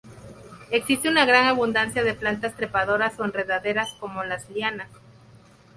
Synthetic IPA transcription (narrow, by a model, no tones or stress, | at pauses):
eksist̪eunaɣɾaŋaβund̪ansjaðe̞plant̪ast̪ɾe̞paðo̞ɾaso̞enre̞ðaðe̞ɾasko̞mo̞lasljanas